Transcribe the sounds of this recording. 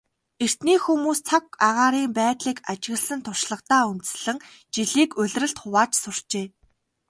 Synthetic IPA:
er̥t̪niːxumuːst͡sʰakaʁaːɾiːmpæːt̪ɮiːkat͡ɕɪ̆ɣə̆ɮsə̆nt̪ʰʊr̥ʃɮə̆qt̪aːunt̪ɘ̥̆sɮɘ̆ŋ | t͡ɕiɮiːkɵ̟ɮʲrɘ̆ɬt̪χʊwaːt͡ɕsʊr̥t͡ɕeː

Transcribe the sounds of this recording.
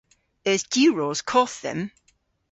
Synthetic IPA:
əzd̥ʉɹɔːz̥kʰɔˑθðə̰̃m

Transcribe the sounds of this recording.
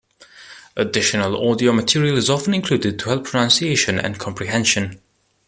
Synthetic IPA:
ʔədɪʃənəlˠɔdiomətʰɪɹiəlˠɪzɒfə̃nɪ̃nkʰl̥uːdɪd̚tʰəhɛlˠpʰɹ̥ənãnsieɪʃə̃nə̰̃nkʰɑ̃mpʰɹiɦɛ̃nʃə̃n

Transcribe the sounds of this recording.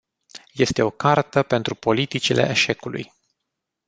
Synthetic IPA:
je̞st̪e̞o̞kart̪əpe̞nt̪ɾupo̞lit̪it͡ʃile̞̰ʔeʃe̞kulṵj

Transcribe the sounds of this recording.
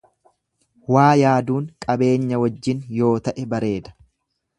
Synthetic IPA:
waːjaːd̪uːŋkʼɐbe̞ːɲːɐwɐd͡ʒːɪnjo̞ːt̪ɐʔɛbɐɾe̞ːd̪ɐ̥

